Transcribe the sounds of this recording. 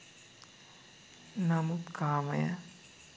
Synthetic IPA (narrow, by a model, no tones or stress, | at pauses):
nɐmupkʰaːmɐjɐ